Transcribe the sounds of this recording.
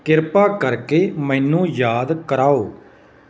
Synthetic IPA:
kɪɾpaːkəɾkeːmɛ̃ːnũːjaːd̪kəɾaːoː

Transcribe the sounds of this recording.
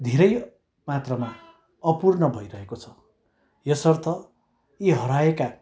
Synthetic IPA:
d̪ʱeɾʌj | mat̪rʌma | ʌpurnʌbʱʌjɾʌɦekot͡sʰʌ | jʌsʌrt̪ʌ | iɦʌɾaeka

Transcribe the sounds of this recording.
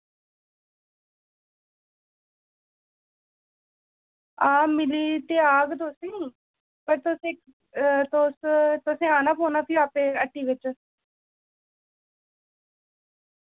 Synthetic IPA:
aːmɪliːt̪eːaːɡd̪oːst̪enĩː | pəɾt̪ʊsẽ | t̪ʊst̪ʊsẽːaːnaːpoːnaːpʰiaːpeːəʈːiːʋɪt͡ʃ

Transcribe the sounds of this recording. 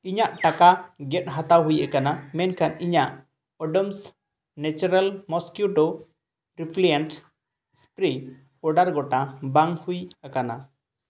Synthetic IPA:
iɲaʔʈakaɡɛt̚ɦat̪awɦujʔakanamɛnkʰaniɲaʔ | ɔɖɔms | nɛt͡ʃuɾalmɔskjuʈo | ɾipʰlijanʈ | spɾi | pɔɖaɾɡɔʈabaŋhujakana

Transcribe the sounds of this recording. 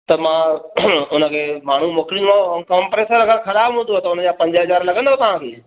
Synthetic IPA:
t̪ɐmã | ʊnə̆kʰeːmaːɳ̤umoːkɪɾɪ̃naokɐ̃mpɾeːsəɾɐɡəɾxɐɾaːbɦũːnd̪ot̪ɐʊnə̆d͡ʑaːpɐ̃ɲd͡ʑɦɐzaːɾlɐɡə̃nd̪ot̪ɐʋ̤ãkʰeː

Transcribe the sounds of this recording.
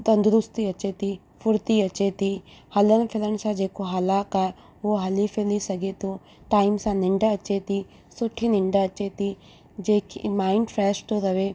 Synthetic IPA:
t̪ə̃nd̪ʊɾʊst̪iɐt͡ʃet̪iː | pʰʊɾt̪iːɐt͡ʃet̪iːhələnpʰɪlənsãːd͡ʒeːkoɦalaːka | oːɦɐlifʰelisɐɡet̪õ | ʈaːimsãːnɪɳɖaət͡ʃet̪i | sʊʈʰːiːnɪɳɖaət͡ʃet̪iː | d͡ʒeːkimaːɪɳɖpʰɾɛːsʈ̪oɾɐʋeː

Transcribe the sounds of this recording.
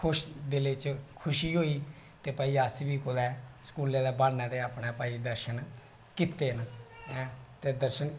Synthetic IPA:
kʰʊʃd̪ɪleːt͡ʃkʰʊʃiːɦoːiː | t̪eːpəːiːasbiːkʊlɛːsə̥kuːlẽːd̪aːbaːɽnãːd̪eːaːpnaːpəːiːd̪əɾʃən | kiːt̪ːeːnː | t̪eːd̪əɾʃən

